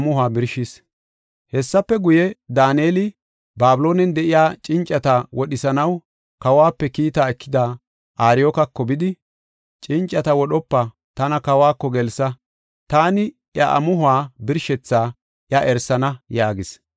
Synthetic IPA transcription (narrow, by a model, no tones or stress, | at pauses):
mʊhʊaːbɪɾʃɪs | hɛsːɐpːɛɡʊjɛd̪aːnjeːlɪ | baːbɪlo̞ːnɛnd̪ɛʔɪjaːt͡ʃʼɪnt͡ʃʼːɐt̪ɐwɔɗɪsɐnɐw | kɐwaːpːɛkiːt̪aːɛkʰːɪd̪aː | ʔaːɾɪjoːkɐkːɔbɪd̪ɪ | t͡ʃʼɪnt͡ʃʼːɐt̪ɐwɔɗɔpːɐ | t̪ɐnɐkɐwaːkːɔɡɛlsɐ | t̪aːnɪ | ʔjɐʔɐ̰mʊɦʊaːbɪɾʃɛt͡sːaː | ʔjɐʔɛɾsːɐnɐjaːɡɪs